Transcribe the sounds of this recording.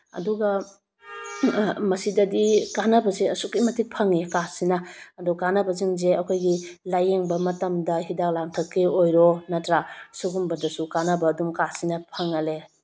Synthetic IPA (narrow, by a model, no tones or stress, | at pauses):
ɐ̰duɡɐ | mɐsidɐdikanɐbɐzeɐsukimɐtʰik̚pʰɐŋikasinɐːdukanɐbɐziŋzeɐkʰojɡilajeŋbɐmɐtɐmdɐɦidak̚laŋtʰɐkːeojɾonɐtɾasuɡumbɐdɐsukanɐbɐːdumkasinɐpʰɐŋɐle